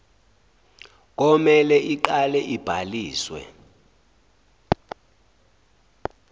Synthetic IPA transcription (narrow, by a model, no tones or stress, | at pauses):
k̬ɔmɛlɛʔiǃalɛʔib̥ʱaliːswɛ̰